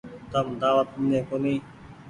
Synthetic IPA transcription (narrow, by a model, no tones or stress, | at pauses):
t̪əmd̪aːʋət̪̚mnẽːkoniː